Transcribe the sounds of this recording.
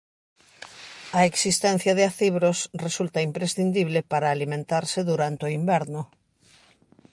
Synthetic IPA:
ɐeksist̪ɛn̟θjaðɪaθiβɾosresult̪aimpɾesθind̪iβlepaɾaːlimẽnt̪aɾsɪðuɾant̪ɪoimbɛɾnʊ

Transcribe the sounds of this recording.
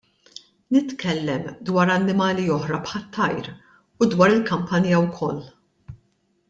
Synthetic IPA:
nɪt̪kʰɛlːɛmd̪wɐːɾɐnːɪmɐːliɔħɾɐpħɐt̪ːɐjɾ | ud̪wɐːɾɪlkɐmpɐnjɐwkʰɔlː

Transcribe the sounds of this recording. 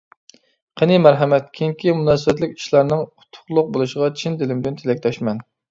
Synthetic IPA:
qʰenimæɾɦɛmɛt̪̚kʲʰiŋkʲimunɑːsɨbɛt̪lɪkʲi̥ʃlˠɑɾnɨŋu̥t̪ʰʊ̥χlˠʊq̚bolˠuʃəʁɑt͡ʃʰind̪ɪlɪmd̪ɪnt̪ʰelɛkʲd̪ɑʃmɛn

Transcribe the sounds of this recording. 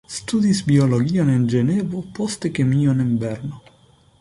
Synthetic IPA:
st̪uːd̪isbioloɡiːonind͡ʒenɛːvʊpɔst̪ekemiːoniɱbɛrno

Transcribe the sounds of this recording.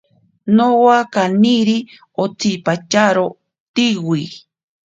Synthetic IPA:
nowakaniɾi | ot͡sipat͡ʃaɾo | t̪iwi

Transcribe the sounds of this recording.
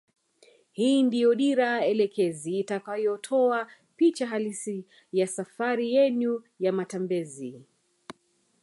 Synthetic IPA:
hiːndijɔɗiɾaɛlɛkʰɛziːtakajɔtʰɔa | pit͡ʃaɦalisi | jasafaɾijɛɲu | jamatambɛzi

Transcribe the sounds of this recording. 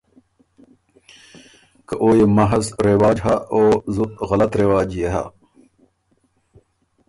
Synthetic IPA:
kɐʔoːjemɐɦɐsɾewaːd͡ʑɦaʔoːzuɣɐlɐt̪ɾewaːd͡ʑjeɦa̰

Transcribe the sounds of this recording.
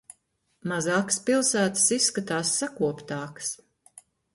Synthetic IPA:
mazɑːkspilˠsæːt̪ɨ̥sisːkat̪aːsːakuɔpt̪ɑːks

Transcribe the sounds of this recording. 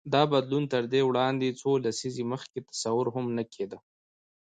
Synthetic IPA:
d̪ɑbad̪lunt̪əɾd̪ewɽɑnd̪et͡solasizeməxket̪ḁsawʊɾɦʊmnəkʰed̪ə

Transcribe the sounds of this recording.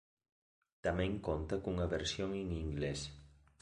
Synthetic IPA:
t̪ameŋkont̪akuŋaβeɾsjoŋiŋiŋɡles

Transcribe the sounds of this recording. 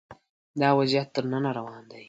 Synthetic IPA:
d̪ɑwazət̪ːəɾnanaɾawɑnd̪aj

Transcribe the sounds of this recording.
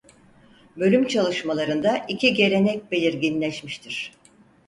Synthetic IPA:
bø̞lʲymt͡ʃʰalˠɯʃmalˠaɾɯnd̪aʔicʰiɟe̞ɾʲe̞nɛc̚be̞lʲiɾɟinlʲɛʃmiʃt̪ʰiɾ̥

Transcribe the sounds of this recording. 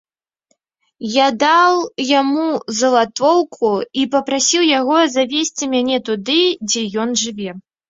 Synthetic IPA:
jad̪awjamuzɐlˠat̪vɔwkʰuipɐpɾasʲiwjaɣɔzavʲesʲt͡sʲimʲanʲɛt̪ud̪ɨd͡zʲɛjɔnʐɨvʲɛ

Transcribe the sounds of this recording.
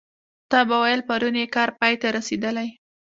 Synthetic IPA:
t̪ɑbawajəlpaɾunjekɑɾpɑjt̪aɾased̪əlaj

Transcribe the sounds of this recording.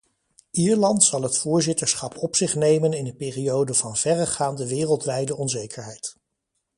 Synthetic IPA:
iːɹlɑntsɑlˠɦətfʊːɹzɪtəɹsχɑpʰɔpsɪχnejmənɪndəpeːriowdəvɑnv̥ɛrəχaːndəʋɪːrəlˠtʋɛjdəʔɔnzejkʰəɹɦɛjt

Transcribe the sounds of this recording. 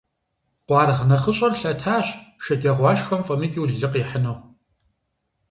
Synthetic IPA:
qʷɑːrʁnɐχəɕʼɐrɬɐtʰaːɕʃɐtʼeːʁʷɑːʃxɐmfʼɐmiːkʼiwɮɮɨqiːħənɐw

